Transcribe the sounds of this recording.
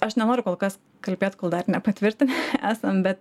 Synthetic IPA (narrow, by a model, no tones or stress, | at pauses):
ɐʃnʲɛnoːɾʲʊkoːlˠkɐs | kɐlʲbʲeːt̪koːlˠd̪ɐrnʲɛpɐt̪ʲʋʲɪɾʲt̪ʲɪnʲæːsɐmbʲɛt̪